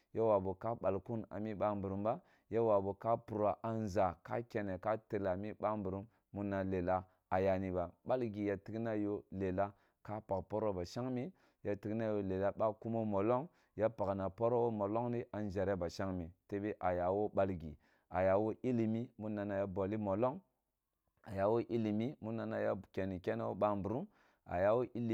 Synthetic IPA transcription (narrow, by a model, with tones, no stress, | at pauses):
ja˦wa˨bu˨ka˦ɓa˨lku˦na̰˨mi˦ɓa˦mbu˨ɾu˨˦mba˦ | ja˦wa˨bo˨ka˦pu˨ɾa˨ʔa˨n˦za˨ka̰˦kʲe˦ne˨ka˦ti˨la˨mi˦ɓa˦mbu˨ɾu˦mː | u˦nːa˨le˨la˦ | a˨ja˨ni˦ba˨ɓa˦lɡi˨ja˨ti˦ɡna˦jo˦le˨la˦ | ka˦pa˨kpo˦ɾo˦ba˨ʃa˦ŋmi˦ | ja˨ti˦kna˦jo˨le˨la˦ɓa˦ku˦mo˦mo˨lo˦ŋ | ja˦pa˨kna˨po˦ɾo˦wo˦mo˨lo˦ŋni˦ʔa˨n˦d͡ʒe˨ɾe˦ba˨ʃa˦ŋmi˨te˦bi˦ʔa˨ja˨wo˦ɓa˦lɡḭ˨ | a˨ja˨wo˦ʔi˦li˨mi˦mu˦nːa˨na˨ja˦bo˨li˦mo˨lo˦ŋ | a˨ja˨wo˦ʔi˦li˨mi˦mu˦nːa˨na˨ja˦ke˨ni˨kʲe˦na˦wo˦ɓa˦mbu˨ɾu˦m | a̰˨ja˨wo˦ʔi˦li˨